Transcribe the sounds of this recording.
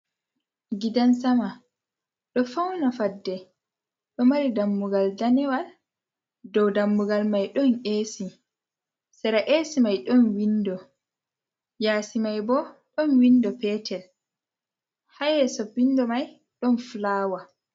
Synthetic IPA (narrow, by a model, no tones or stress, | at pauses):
ɡidansama | ɗɔfawnafadːɛ | ɗɔmaɾidamːuɡaldanɛwal | dɔwdamːuɡalmajɗɔneːsi | sɛɾaʔeːsimajɗɔnwindɔ | jaːsimajbɔɗɔnwindɔpɛːtʰɛl | hajɛsobːindɔmaj | ɗɔnflaːwa